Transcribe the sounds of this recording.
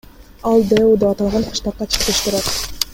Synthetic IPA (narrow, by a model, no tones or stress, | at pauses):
ɑlˠd̪eud̪eɑt̪ɑlˠʁɑnqʰɯ̥ʃt̪ɑqːɑt͡ʃʰɯ̥qt̪eʃt̪ɪɾɑt̪